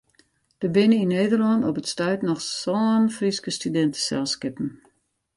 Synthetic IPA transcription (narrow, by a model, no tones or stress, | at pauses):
d̥əbɪnəinːeːdərlɔndɔpətstœɥtnɔxsɔːnfriskəstydɛntə̥sɛ̰lˠskɪpn̩